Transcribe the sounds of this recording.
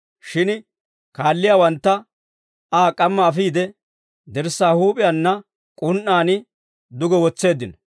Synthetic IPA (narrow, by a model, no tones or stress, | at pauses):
ʃɪn | kaːlːɪjaːwɐnt̪ːɐ | aːkʼɐmːɐːfiːd̪ɛ | d̪ɛɾsːaːhuːpʼɪjanːɐ | kʼʊnʔaːnɪ | d̪ʊɡɔwɔt͡sːe̞ːd̪ːɪnɔ